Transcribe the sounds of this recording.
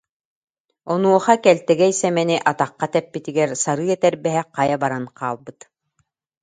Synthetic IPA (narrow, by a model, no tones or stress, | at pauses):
ɔnuɔχakɛlt̪ɛɡɛisɛmɛniʔat̪aqːat̪ɛpːit̪iɡɛɾsaɾɯːɛt̪ɛɾbɛɦɛqajabaɾanqaːlˠbɯt̪